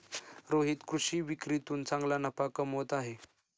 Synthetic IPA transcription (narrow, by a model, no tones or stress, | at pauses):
ɾoɦiːt̪kɾuɕiːʋikɾit̪uːnt͡sãŋɡlanəpakəmɦot̪aɦe